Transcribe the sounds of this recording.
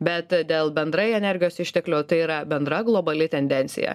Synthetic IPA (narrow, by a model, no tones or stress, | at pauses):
bʲɛt̪d̪ʲeːlˠbʲɛnd̪ɾɐɪɛnʲɛɾʲɡʲɪjoːsɪʃʲt̪ʲɛklʲoːt̪ɐɪiːɾɐbʲɛnd̪ɾɐɡlˠoːbɐlʲɪt̪ʲɛnʲd̪ʲɛnʲsʲɪ̰jɛ̰